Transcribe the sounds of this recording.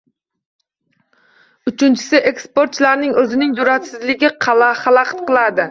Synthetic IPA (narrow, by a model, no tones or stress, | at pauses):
ʊt͡ʃʰɪnt͡ʃʰɪ̥sɪʔekspo̞ɾt̪t͡ʃlaɾnɪŋɵzɪnɪŋj̪ʊɾat̪sɪzlɪɡʲɪqʰɑlaχɑlˠaqt̪qʰɨlˠad̪ɪ